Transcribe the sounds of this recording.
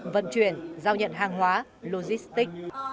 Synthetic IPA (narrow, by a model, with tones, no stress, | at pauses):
və̰˧˨nt͡ɕwi˧˩ənzaː˧wɲə̰˧˨nɦaː˨˩ŋɦwaː˨˦lo˧zi˦˥st̪ï˦˥k̚